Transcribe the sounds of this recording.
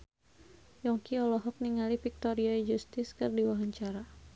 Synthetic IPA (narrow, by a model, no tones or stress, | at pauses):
jɔŋkiɔlɔɦɔk̚niŋalifik̚t̪ɔɾiɔɛd͡ʒust̪ɪskɨrdiwaɦaɲt͡ʃaɾa